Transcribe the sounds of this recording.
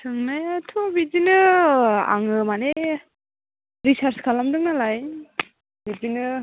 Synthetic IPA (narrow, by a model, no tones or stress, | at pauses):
tʰɯŋnajatʰɔbizinɯ | a̰ŋɯmane | ɾisaɾskʰalamdɯŋnalaj | bizinɯ